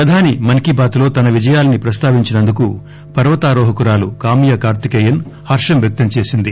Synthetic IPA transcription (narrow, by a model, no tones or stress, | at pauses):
pɾɐd̪ʱaːnimɐnkibaːt̪lo̞ːt̪ɐnɐʋid͡ʒɐjaːlɐnipɾɐst̪aːʋiɲt͡ʃinɐnd̪uku | pɐɾʋɐt̪aːɾɔːɦɐkuɾaːlṵkaːmijɐkaːɾt̪ikeːjɐnhɐɾʂɐmʋjɐk̚t̪ɐmt͡ʃe̞ːsind̪i